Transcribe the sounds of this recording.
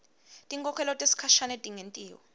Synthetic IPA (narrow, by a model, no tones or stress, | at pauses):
tʼiŋkʰʼɔkʰɛlɔtʼesi̥kʰaʃanɛtʼiŋentʼiːwɔ